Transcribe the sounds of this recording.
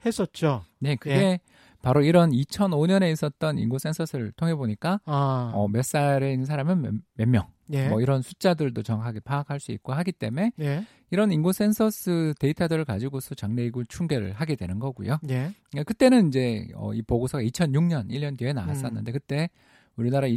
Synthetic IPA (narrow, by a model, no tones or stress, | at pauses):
hes͈ʌt̚t͡ɕ͈one̞kɯɡe̞ | paɾoiɾʌnit͡ɕʰʌnoɲʌne̞is͈ʌt̚t͈ʌnḭnɡos͈e̞nsʰʌsʰɯɭtʰoŋɦe̞boɲik͈aʌ̰mjʌs͈aɾeinːɯnsʰaɾamɯnmjʌmːjʌŋemʌiɾʌnsʰut͡ɕ͈adɯɭdot͡ɕʌŋɦaɡepʰaːkʰaɭs͈uḭk̚k͈oɦaɡit͈e̞me̞ | iɾʌninɡos͈e̞nsʰʌs͈ʰɯte̞itʰadɯɾɯɭkad͡ʑiɡosʰʌt͡ɕaŋne̞iɡut͡ɕʰuŋɡe̞ɾɯ̰ɭɦaɡedwe̞nɯnɡʌɡṵjonekɯt͈e̞nɯnind͡ʑe̞ʌ̰ipoɡosʰʌɡait͡ɕʰʌnjuŋɲʌniʎːʌndeɦenaas͈ʌnːɯnde̞kɯt͈e̞ | uɾinaɾai